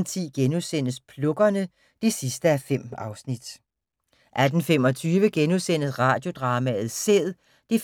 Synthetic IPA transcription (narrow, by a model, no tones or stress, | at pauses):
nt͡sʰiɡ̥enusen̰əspʰlɔ̽ɡ̥ɐnə | d̥isisd̥əæfem̰ɑ̈ʊsnid̥ | ʔæd̥n̩fem̰ɒ̽t͡sʰyːʋəɡ̥enusen̰əsʁɑ̈ːd̥jo̝d̥ʁɑ̈ːmæð̞̩ˠseðˠ | d̥if